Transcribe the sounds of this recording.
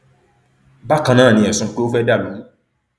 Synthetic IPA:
ba˦kã˧nãː˦˨nĩ˧˨ɛ˨sũ˨˧k͡pe˦o˦fɛ˦da˦˨lũ˨˦

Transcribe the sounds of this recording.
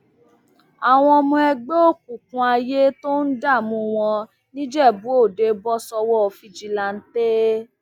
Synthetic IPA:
a˨w̃ɔ̃˧mũ˧˦ɛ˧ɡ͡bo˦o˦˨ku˨kũ˧a˧je˦to˦n̩˦da˦˨mũ˧w̃ɔ̃˧ | nĩ˦d͡ʒɛ˦˨bu˨˦o˦˨de˨˧bɔ˦sɔ˧wɔ˦˧˨fi˧d͡ʒi˧la˧n̩˦te˦

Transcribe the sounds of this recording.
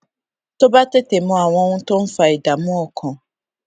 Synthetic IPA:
to˦ba˦te˦te˨mʊ̃˦a˨wɔ̃˦ŋʊ̃˦tʊ̃˦m̩˦fa˨e˨da˨mʊ̃˦ɔ˨kʰɔ̃˨

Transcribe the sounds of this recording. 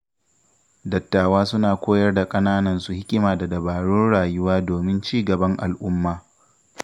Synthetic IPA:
dɐ˨tːaː˨waː˦sʊ˦naː˨kʷoː˦jɐ˦rda˨kʼɐ˦naː˦nɐ˨nsu˨hɪ˦kʲʼɪ˦maː˨da˨dɐ˨baː˨ɽʊ˦nɽaː˨jʊ˦waː˦doː˨mɪ˦nt͡ʃiː˦˨ɡɐ˨bɐ˦ŋʔa̰˨lʔʊ˦mːaː˨

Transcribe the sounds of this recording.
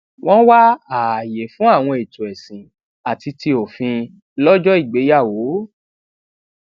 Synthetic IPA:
w̃ɔ̃˦wa˦a˨je˨˦fũ˨˦a˦˨w̃ɔ̃˧e˨tũ˨ɛ˨sĩ˨ | a˨ti˧ti˧o˨fĩ˧ | lɔ˦d͡ʒɔ˦i˦˨ɡ͡be˨˦ja˦˨wo˨˦

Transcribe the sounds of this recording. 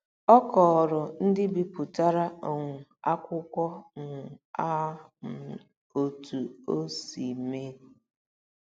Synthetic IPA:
ɔ˦kɔ˨ɾʊ˨n̩˦dɪ˦bi˨pʊ˨ta˦ɾa˦o˨ŋʷʊ˨a˦kʷʊ˦kʷɔ˦ŋʊ˨ʊ˨a˦m̩˨ | o˨tu˨o˦si˨me˦

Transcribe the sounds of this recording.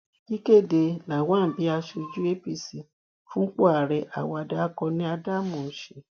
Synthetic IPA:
i˦ke˦˨de˧nã˨wã˦˨m̩˨bi˨˦a˧ʃu˧d͡ʒu˦e˦pi˧si˨ | fũ˦k͡po˦a˨ɾɛ˨ʔa̰˨wɔ˧a˧da˦kɔ˧nĩ˦a˧da˦mũ˨n̩˨ʃe˨˦

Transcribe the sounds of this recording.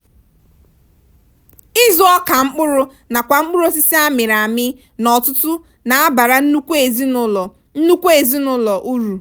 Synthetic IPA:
ɪ˦zɔ˦ɔ˦ka˨ŋ͡m̩˦k͡pʊ˦ɾʊ˦ | na˨kʷa˨ŋ͡m̩˦k͡pʊ˦ɾʊ˦si˦si˦a˦mɪ˨ɾa˨mɪ˦ | nɔ˨tʊ˦tʊ˦ | na˨a˦ba˨ɾa˨n̩˦nu˦kʷe˦˨zi˦lɔ˨ | n̩˦nu˦kʷe˨zi˦nʊ˦lɔ˨ʔu˦ɾu˨

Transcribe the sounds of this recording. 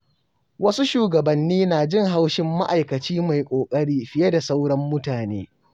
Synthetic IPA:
wɐ˦su˦ʃuː˨ɡɐ˨bɐ˨nːiː˦naː˨d͡ʒɪ˦ŋɦa˦wʃɪ˦mːa˦ʔa˨jkɐ˨t͡ʃiː˦ma˨jkʷʼoː˨kʼɐ˦ɽiː˦ɸɪ˦je˦da˨sa˦wɽɐ˦mːʊ˦taː˨neː˦

